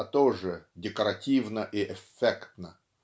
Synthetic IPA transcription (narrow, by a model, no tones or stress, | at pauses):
ət̪oʐɨdʲɪkəɾɐtʲivnəʔɪʔɛfʲːekt̪nə